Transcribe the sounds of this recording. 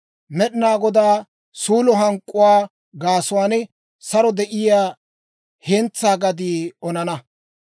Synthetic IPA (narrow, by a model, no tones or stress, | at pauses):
mɛɗɪnaːɡɔd̪aː | suːlɔɦɐŋkʼːʊwaː | ɡaːsʊwaːnɛ | sɐɾɔd̪ɛʔɪjaː | hɛnt͡sːaːɡɐd̪iːɔnɐnɐ